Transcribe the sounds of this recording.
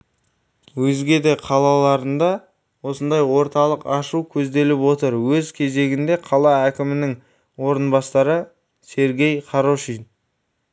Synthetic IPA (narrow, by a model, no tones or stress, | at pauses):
wɵzɡʲe̞d̪e̞qʰɑlˠɑlˠɑɾənd̪ɑ | wo̞sənd̪ɑjwo̞ɾt̪ɑlˠəqɑʃuwkʲʰɵzd̪e̞lɪpwo̞t̪əɾwɵzkʲʰe̞ze̞ɡʲɪnd̪e̞qʰɑlˠɑækʲɪmɪnɪŋ | wo̞ɾənbɑst̪ɑɾə | se̞ɾɡʲe̞jqʰɑɾoʃin